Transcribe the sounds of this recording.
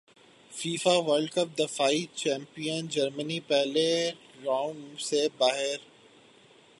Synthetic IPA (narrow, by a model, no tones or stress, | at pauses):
fiːfaʋəɾɖkəp̚d̪ɐfaːit͡ɕɛ̃ːmpijənd͡ʒɐɾmənipɛɦle | ɾãːʊ̃ɳsebaːɦɪɾ